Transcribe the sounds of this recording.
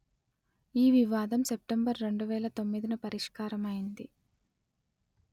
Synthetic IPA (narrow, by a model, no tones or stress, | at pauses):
iːʋiʋaːd̪ɐmsep̚ʈembɐɾːe̞ɳɖuʋɛːlɐt̪o̞mːid̪inɐpɐɾiʂkaːɾɐmɐjind̪i